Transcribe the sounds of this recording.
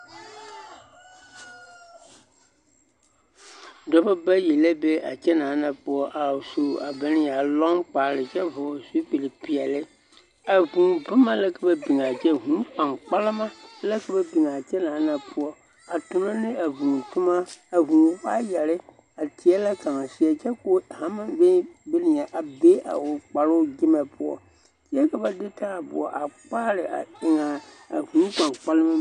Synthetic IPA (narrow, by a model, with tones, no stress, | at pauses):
dɔ˦bɛ˦bɛ˦ji˨lɛ˦be˦a̰˨t͡ʃɛ˦nã˨˦nã˨pʊ˨ɔ˦ʔa˨su˨a˨bɛ˨˦nɪ̃˦ja˨lɔ̃˦ŋk͡pa˨lɪ˨d͡ʒɛ˦vɔ˨su˦k͡pi˨li˨pi˨a˨lɪ˦ | æ˨vũ˨bʊ˦mã˦lɛ˦kɛ˦bɛ˦bi˨ŋa˨d͡ʒɛ˦ɦũ˨˦k͡pã˨ŋk͡pa˦la˦mã˦lɛ˦kʰɛ˦bɛ˦bi˨ŋ˨ã˨t͡ʃɛ˦lã˨˦nã˨pʰʊ˦ɔ˨ | a˨tʊ˨nã˦nɪ̃˦ʔa˨vũ˨tʰʊ̃˦mã˦æ˨vũ˨ɸa˦ja˨ɾɪ˦ | a˨tʰi˨ɛ˦lɛ˦kʰã˨ŋ˨si˨ɛ˨t͡ʃɛ˦ko˦hã˦mã˦ve˦be˦nĩ˨ã˨ʔa˨be˦a̰˨wʊ˨k͡pa˨ɾʊ˦wɡɪ˦mɛ̃˨pʰʊ˦ɔ̰˨ | i˦ɛ˦kʰɛ˦bɛ˦dɪ˦tʰa˦˨bʊ̰˨ɔ̰˨ʔa˨k͡pa˦ɾɪ˨a̰˨ɪ˨ŋã˨ | hũ˨˦k͡pã˨k͡pa˦lɪ˦mã˦